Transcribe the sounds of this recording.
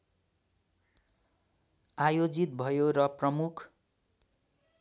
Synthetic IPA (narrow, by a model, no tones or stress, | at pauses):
ajod͡zit̪̚bʱʌjoɾʌprʌmukʰ